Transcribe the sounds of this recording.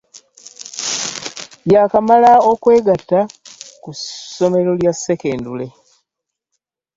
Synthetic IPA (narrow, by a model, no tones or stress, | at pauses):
jakamalaokwe̞ːɡatːakuso̞me̞ɾo̞ljasːeke̞ːndule̞